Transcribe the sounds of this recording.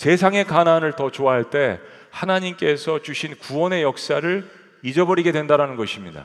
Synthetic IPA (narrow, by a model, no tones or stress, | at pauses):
se̞sʰaŋe̞kananɯɭtʌt͡ɕoaɦaɭt͈e̞ | hanaɲimk͈e̞sʰʌt͡ɕuɕʰinkuwʌne̞jʌk̚s͈aɾɯɭ | id͡ʑʌbʌɾiɡe̞dwendaɾanɯnɡʌɕʰimɲida̰